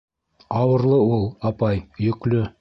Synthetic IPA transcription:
ɑwə̆ɾlˠɤwolˠɑpɑjjɵ̆klɵ

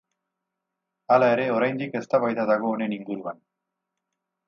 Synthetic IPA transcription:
alaeɾeoɾajnd̪ikest̪aβajt̪ad̪aɣoːneniŋɡuɾuβan

